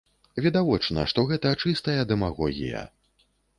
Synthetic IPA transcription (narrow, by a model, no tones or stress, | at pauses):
vʲid̪avɔt͡ʂnɐ̰ʂt̪ɔɣɛt̪ɐːt͡ʂɨst̪ɐjɐd̪ɛmaɣɔ̰ɣʲḭjɐ̰